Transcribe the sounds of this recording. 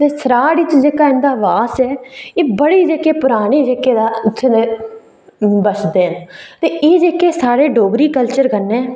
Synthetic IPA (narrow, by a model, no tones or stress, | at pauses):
t̪eːsəɾaːɽɪt͡ʃd͡ʒeːkaːɪnd̪aːʋaːsɛːeːbəɽiːd͡ʒeːkeːpʊɾaːɽ̃iːd͡ʒeːkeːd̪aːt͡ʃʰːed̪eː | bət͡ʃd̪eːɦənt̪eːʔeːd͡ʒeːkeːsaːɾeːɖoːɡɾiːkəlt͡ʃəɾkənːẽː